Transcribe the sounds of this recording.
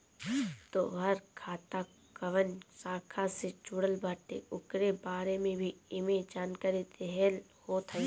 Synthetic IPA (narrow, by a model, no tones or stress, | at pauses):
t̪oɦəɾkʰaːt̪a | kəʋənsaːkʰased͡ʒuɽəlbaːʈḛʊkɾebaːɾemẽbʱiɪmẽd͡ʒaːnkaːɾid̪ɛɦɛlhot̪ʰə